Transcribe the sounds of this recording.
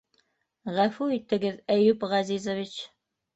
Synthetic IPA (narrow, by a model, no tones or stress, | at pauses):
ʁæfuit̪ɘ̆ɡɘðæjʉpʁɑzizŏvit͡ɕ